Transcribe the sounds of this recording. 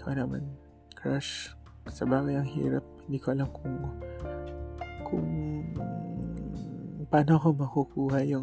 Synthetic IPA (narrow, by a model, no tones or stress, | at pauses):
ʔonɐma̰n | kɹaʃ | sɐbaːɡɐjɐŋhḭːɾɐp̚hɪnd̪iːkoʔɐlamkʊŋ | kʰʊ̰ŋ | paːnoʔɐkomɐkʊkuːhɐjʊ